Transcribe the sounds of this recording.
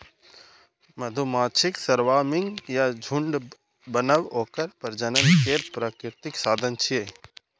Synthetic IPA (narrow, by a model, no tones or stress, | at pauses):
mɐd̪ʱumaːt͡ʃʰɪksɐɾʋaːmɪŋɡjad͡ʒʱuɳɖ | bənəʋoːkəɾpɐɾd͡ʒənənkeːɾpɾaːkɾɪɾt̪ɪksaːd̪ʱənt͡ʃʰieː